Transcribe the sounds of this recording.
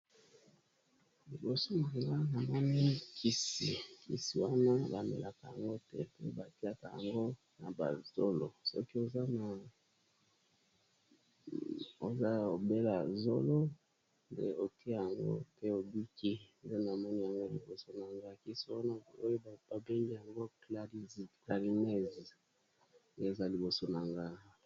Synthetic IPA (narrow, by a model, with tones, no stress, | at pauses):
li˨bo˨so˦mo˨ke˨ŋɡa˦na˨mɔ˦ni˦kʰi˦si˨kḭ˨si˨wa˦na˦ba˨mḛ˨lʔa˨ka˨ja˨ŋɡo˦tɛ˦pe˦ba˨ti˦a˨ka˨ja̰˨ŋɡo˦ | na˨ba̰˨z̥o˦lo˨sɔ˦ki˦o˨za˦na˨ | o˨za˦o˨be˦la˨zo˦lo˦ | ndḛ˦o˨ti˦a˦˨ja˨ŋɡo̰˦tɛ˦o˨bi˦ki˦nde˦na˨mɔ˦ni˦ja˨ŋɡo˦li˨bo˨so˨na˨ŋɡa˦ki˦so˦wa˦na˦˨o˦jo˦˨ba˨be˦ŋɡi˦ja˨ŋɡo˦klkla˨ʁi˨nɛ˦˨z | nde˦˨za˦li˨bo˨so˨na˨ŋɡa˦